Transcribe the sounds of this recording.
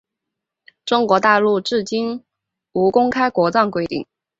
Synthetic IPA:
ʈ͡ʂʊ˥ŋkwɔ˧˥t̪a˥˧lu˥˧ʈ͡ʂɻ̩˥˩t͡ɕi˥n | u˧˥kʊ˥ŋkʰa˥ɪkwɔ˧˥t͡sɑ˥˩ŋkwe˥ɪt̪ḭ˥˩ŋ

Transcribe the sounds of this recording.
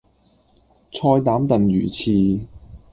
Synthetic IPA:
t͡sʰɔː˧jt̪aː˨˥mt̪ɐ˨njy̰ː˨˩t͡sʰiː˧

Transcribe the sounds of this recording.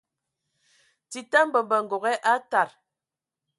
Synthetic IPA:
ti˨ta˦m˦bə˨bə˨ŋ̩˨ɡo˨ɣɛ˦ʔa˦ta˨ɾ

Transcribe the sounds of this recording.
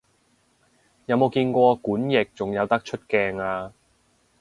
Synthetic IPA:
jɐ˨˧wmo˨˧wkiː˧nkʷɔː˧kuː˨˥njɪ˨k̚t͡sʊ˨ŋjɐ˨˧wt̪ɐ˥k̚t͡ʃʰɵ˥t̚kɛː˧ŋaː˧

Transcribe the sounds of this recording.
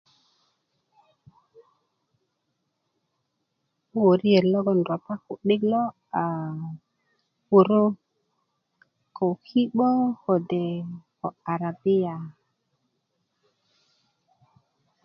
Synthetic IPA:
u˦wo˨ɾi˦je˨ɾlo˦ɡo˦˨n˨do˨pa˦ku˨ɗi˦klo˦ | a˨ | u˨ɾo˦ | ko˨ki˦ɓo˦ho˨de˨ko˨a˨ɾa˨bi˦ja˨

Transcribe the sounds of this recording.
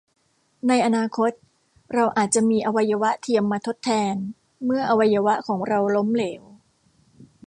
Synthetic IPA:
na˧jʔa˧naː˧kʰo˦˥t̪̚ | ɾa˧wʔaː˨˩t̪̚t͡ɕa˨˩miː˧ʔa˧wa˧jːa˧wa˦˥ʔt̪ʰi˧əmːaː˧t̪ʰo˦˥t̪ʰːɛː˧n | mɯ˥˩ɐʔa˧wa˧jːa˧wa˦˥ʔkʰɔː˩˦ŋɾa˧wlo˦˥mleː˩˦w

